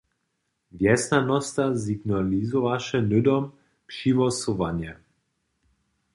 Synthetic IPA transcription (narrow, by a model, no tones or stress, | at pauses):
vjɛsnanɔst̪aziɡnalizɔvaʃɛnʏd̪ɔm | pʃivɔsɔvanjɛ